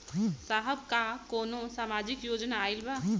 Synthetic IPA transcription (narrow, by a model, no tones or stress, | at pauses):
saːɦəb̚kakoːnõsaːmaːd͡ʒɪkjoːd͡ʒnaːɪlba